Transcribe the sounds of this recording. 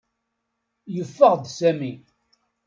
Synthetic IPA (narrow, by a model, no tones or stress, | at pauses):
jəfːəʁd̪sæmi